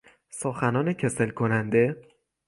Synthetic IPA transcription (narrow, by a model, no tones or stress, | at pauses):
soxænɒːnecʰe̞selkʰonænd̪e̞